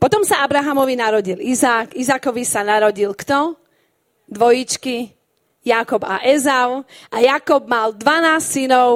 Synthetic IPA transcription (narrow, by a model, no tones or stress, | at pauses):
pɔt̪ɔmsaabɾaɦamɔʋinaɾɔɟilizaːkizakɔʋisanaɾɔɟilkt̪ɔ | d̪ʋɔjit͡ʃki | jakɔbaʔɛzaʊʔajakɔb̚mald̪ʋanaːssinɔʊ